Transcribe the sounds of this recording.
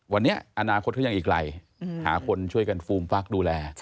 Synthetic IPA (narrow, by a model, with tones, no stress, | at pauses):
wa˧nːi˦˥ɐʔa˧naː˧kʰo˦˥t̪̚ʰːŋʔiː˨˩k̚ɾa̰˧j | ha̰ː˩˦kʰo˧nt͡ɕʰu˥˩əjka˧nfuː˧mfa˦˥˩k̚duː˧lɛː˧